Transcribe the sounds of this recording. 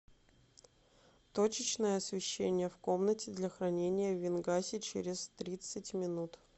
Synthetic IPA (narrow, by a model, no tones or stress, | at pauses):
t̪ot͡ɕɪt͡ɕnəjəɐsvʲɪɕːenʲɪjəfko̞mnətʲɪd̪lʲɐxɾɐnʲenʲɪjəvʲɪnɡasʲɪt͡ɕḛɾʲɪst̪ɾʲit̪sɨtʲmʲɪnut̪